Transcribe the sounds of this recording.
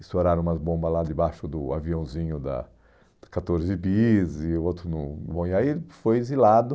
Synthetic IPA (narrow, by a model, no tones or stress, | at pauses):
ɪsoɾaɾɐ̃ũmɐzbõbɐzlad̪ɪbaʃʊd̪ʊaviɐ̃w̃zĩɲʊd̪ɐ̰̥ | kat̪oɾzɪbizɪot̪ɾʊnʊbõiaiefojizilad̪ʊ